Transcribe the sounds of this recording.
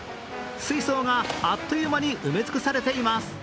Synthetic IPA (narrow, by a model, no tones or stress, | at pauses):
sɨiso̞ːŋaat̪ːojɯmaɲ̟iʔɯme̞d͡zɨ̥kɯ̟saɾe̞t̪e̞imasɨ̥